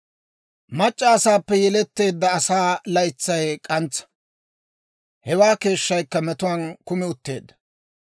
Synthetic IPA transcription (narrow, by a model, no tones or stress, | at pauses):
mɐt͡ʃʼːɐːsaːpːɛjɛlɛt̪ːe̞ːd̪ːɐːsaːlɐjt͡sːɐjkʼɐnt͡sːɐ̥ | hɛwaːke̞ːʃːɐjkːɐmɛt̪ʊwɐnkʊmɪʊt̪ːe̞ːd̪ːɐ̥